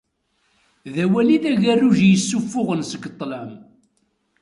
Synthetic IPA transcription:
ðæwæliðæʝærːuʒjəsːufːʊʁənsəɡt̪ˤːlæm

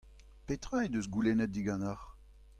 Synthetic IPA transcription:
pet̪ʁaed̪øsɡulenɛt̚d̪iɡɑ̃naʁ

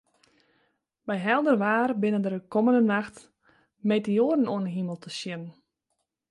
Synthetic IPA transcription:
bɛjɦɛlˠdərʋaːrbɪnəndərdəkoməndənaxt | metioːədən̩oənɦiməlˠtʰəsjɪnən

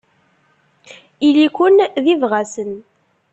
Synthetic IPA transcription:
ilikʷʊnðivʁasən

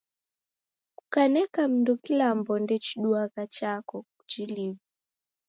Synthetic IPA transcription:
kukanɛkam̩ndɔkilambɔndɛt͡ʃiɗuaɣat͡ʃakɔkut͡ʃilivu

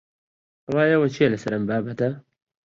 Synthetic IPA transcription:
ɐwaːjewɐt͡ʃʰielɐsɐɾɐmbaːbɐt̪ɐ

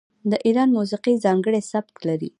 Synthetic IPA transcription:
d̪əʔiɾɑnmus̬iqizɑŋɡəɽesab̚t̪laɾḭ

